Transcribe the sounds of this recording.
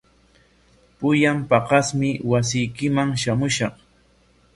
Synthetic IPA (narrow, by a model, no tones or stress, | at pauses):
pʊjampɑqɑsmɪwas̬ɪjkɪmaŋʃamʊʃɑχ